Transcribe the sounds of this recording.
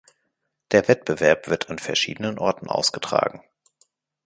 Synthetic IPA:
d̥eːɐvɛt̚b̥əvɛɐpv̥ɪɐtʰanfɛɐʃḭːdənənʔɔɐtn̩ʔa̰ʊsɡ̥ətʁ̥a̰ːɡŋ̩

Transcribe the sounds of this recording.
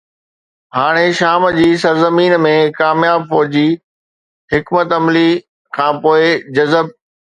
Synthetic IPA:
ɦaːɽ̃eʃaːmd͡ʑiːsɐɾzəmiːnmẽkaːmjaːbfɔːd͡ʑi | ɦɪkmət̪ɐmli | kʰãːpoːɪd͡ʑɐzəb̚

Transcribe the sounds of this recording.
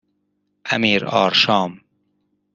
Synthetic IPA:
a̰miːɾɒ̰ːɾʃɑːm

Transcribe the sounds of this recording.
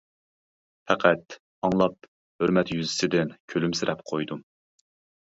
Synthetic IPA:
fʰɛqʰæt̪ | ɑŋlˠɑp̚ | høɾmɛt̪jyzɪsɪd̪ɪnkʲʰølymsɪɾʔɛpqʰojd̪u

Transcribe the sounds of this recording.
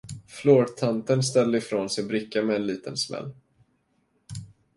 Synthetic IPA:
floːɾt̪ʰant̪ənst̪ɛlːəɪfɾoːnsɛjɔbɾɪkːamɛːnliːt̪ənsmɛ̰lː

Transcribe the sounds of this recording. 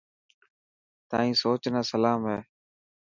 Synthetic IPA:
t̪aːĩːsoːt͡ʃnaːsəlaːmɦeː

